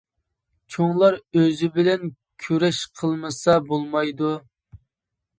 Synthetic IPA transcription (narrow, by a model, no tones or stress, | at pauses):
t͡ʃʰoŋlˠɑɾøzɪbɪlɛn | kʲʰyɾɛʃqʰəlˠmɨsɑbolˠmɑjd̪u